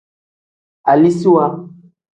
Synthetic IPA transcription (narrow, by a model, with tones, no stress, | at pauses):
a˨li˦si˦wa˦